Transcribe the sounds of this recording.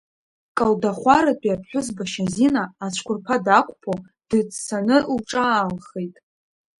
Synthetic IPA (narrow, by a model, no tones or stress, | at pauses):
kʼaldaχʷaɾatʼiapʰħʷᶣʊzbaʃazinaːt͡ɕʷʰkʷʰʊrpʰadakʷʼpʰo | d̥ɨt͡ssanɨlʈ͡ʂʼaːlχejtʼ